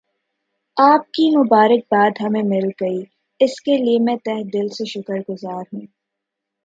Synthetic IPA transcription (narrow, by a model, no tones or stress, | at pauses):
aːp̚kimʊbaːɾək̚baːd̪ɦɐmẽmɪlɡɐiː | ɪskeliemɛ̃t̪ɛɦd̪ɪlseʃʊkəɾɡʊzaːɾɦũː